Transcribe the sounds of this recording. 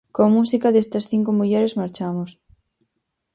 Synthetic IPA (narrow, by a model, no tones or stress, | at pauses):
komusikɐðest̪ɐsθiŋkomuʎɛɾezmaɾt͡ʃamos